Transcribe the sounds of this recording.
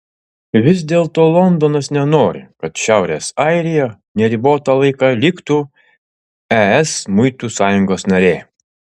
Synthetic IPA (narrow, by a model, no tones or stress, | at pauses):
ʋʲɪsd̪ʲeːlˠt̪oːlˠɔnd̪ɔnɐsnʲɛnoːɾʲɪ̰kɐt̪ʃʲæˑʊɾʲeːsɑɪɾʲɪjo | nʲɛɾʲiboːt̪ɑlˠɐɪkɑlʲɪkt̪u | ɛɛsmʊɪt̪uːsɑːjʊŋɡoːsnɐɾʲeː